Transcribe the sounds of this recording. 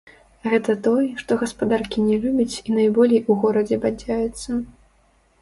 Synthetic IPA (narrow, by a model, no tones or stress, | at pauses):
ɣɛt̪ɐt̪ɔjʂt̪ɔɣɐspad̪arkʲinʲɛlʲubʲɐt͡sʲinajbɔlʲejuɣɔɾɐd͡zʲɛbad͡zʲajut̪sːɐ